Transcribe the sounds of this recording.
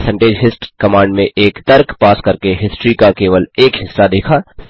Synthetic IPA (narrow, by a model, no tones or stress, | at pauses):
sɛ̃ɳʈeːd͡ʒɦɪsʈkɐmãːɳɖmẽʔeːkt̪ɐɾkpaːskɐɾkeɦɪsʈɾikakeːʋəleːkɦɪsːad̪eːkʰaː